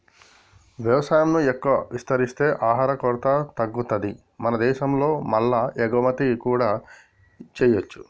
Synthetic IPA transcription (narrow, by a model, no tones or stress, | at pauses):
ʋjɐʋɐsaːjɐmnuɛkːɐʋɐʋist̪ɐɾist̪e̞ːʔaːɦaːɾɐkɔːɾt̪ɐt̪ɐɡːut̪ɐd̪i | mɐnɐd̪ɛːʃɐmlo̞ːmɐlːɐɛɡʋɐmɐt̪ikuːɽaː | t͡ʃɛːjot͡ʃːu̥